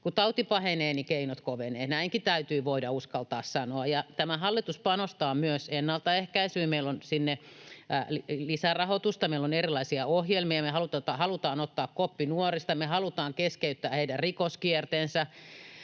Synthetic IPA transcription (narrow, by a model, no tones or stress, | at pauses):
kut̪ɑut̪ipɑheneːnikeinot̪koʋeneːt̪næiŋkit̪æyt̪yːʋoidɑuskɑlt̪ɑ̰ːssɑnoɑjɑt̪æmæhɑlːit̪uspɑnost̪ɑːmyøsenːɑlt̪ɑehkæisyːmeilonsinːe | llisærɑhot̪ust̪ɑmeilːonerilɑisiɑohjelmiɑmehɑlut̪ɑt̪ɑhɑlut̪ɑːnot̪ːɑːkkopːinuorist̪ɑmehɑlut̪ɑːŋkeskeyt̪ːæːheidærikoskiert̪ensɑ